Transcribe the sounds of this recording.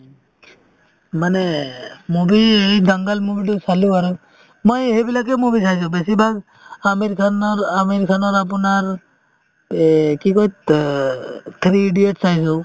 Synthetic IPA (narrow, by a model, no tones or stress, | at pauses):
manemubid̪aŋɡalmubiʈusaluaɾɔ | mɔjɦebilakemubisajs̬ubesibʱaɡ | ameɾikʰanɔɾameɾikʰanɔɾap̬unaɾ | kikoit̪ | t̪ʰɾiɖieʈsajsu